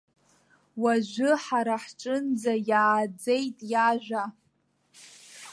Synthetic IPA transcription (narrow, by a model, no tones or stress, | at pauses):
waʒʷʊħaɾaħʈ͡ʂʼɨnd͡zajaːd͡ze̞jtʼjaʒᶣʷa